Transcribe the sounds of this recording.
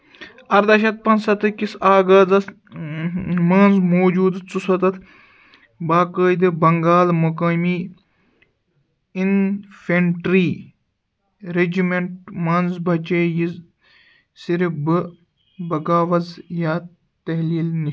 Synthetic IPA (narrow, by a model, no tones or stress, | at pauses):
ɐɾd̪ɐʃɐt̪̚pɐnsɐt̪ɨkisaːɡɐːzɐs | mɐːnzmoːd͡ʒuːd̪t͡susɐt̪ɐt̪ʰ | baːkəːd̪ɨbɐŋɡaːlmukɐːmiː | infeɳʈɾiː | ɾed͡ʒimeɳʈmɐːnzbʱɐt͡ʃeːjiz | siɾibɨ | bɐɡaːʋɐzjaː | t̪ɐɦliːlni